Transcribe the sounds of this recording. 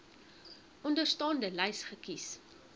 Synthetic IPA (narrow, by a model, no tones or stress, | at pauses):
ʔɔndərstɑːndəlɛjsχəkis